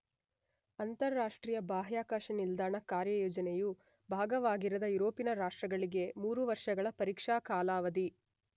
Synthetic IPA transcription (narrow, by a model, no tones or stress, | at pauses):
ɐnt̪ɐɾːaːʂʈɾiːjɐbaːɦjaːkaːʃɐnild̪aːɳɐkaːɾjɐjɔːd͡ʒɐneju | bʱaːɡɐʋaːɡiɾɐd̪ɐjuɾoːpinɐɾaːʂʈɾɐɡɐɭiɡe̞muːɾuʋɐɾʂɐɡɐɭɐpɐɾiːkʂaːkaːlaːʋɐd̪i